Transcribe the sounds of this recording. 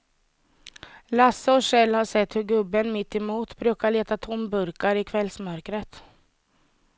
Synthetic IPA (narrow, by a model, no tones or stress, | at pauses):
lasːəɔɕɛlːhaʂɛt̪ːhɵɾɡɵbːənmɪt̪ːɛmuːt̪bɾʉ̟ːkaɭeːt̪at̪ʰɔmbɵɾkaɾɪkʰvɛlsmœɾkɾət̪